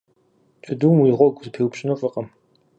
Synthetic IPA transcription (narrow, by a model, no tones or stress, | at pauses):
t͡ʃʼɐduːmwiːʁʷɔɡʷzɨpʰewpɕʼɪnofʼɨqʼɐm